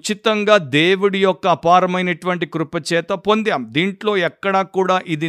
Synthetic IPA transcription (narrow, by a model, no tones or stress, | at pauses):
t͡ʃit̪ɐŋɡaːd̪eːwuɽijɔkːɐːpaːɾɐmɐjnɐʈuʋɐɳʈikɾupɐt͡ʃɛːt̪ɐpo̞nd̪aːmd̪iːɳʈlo̞ːɛkːɐɽakuːɽaːʔid̪i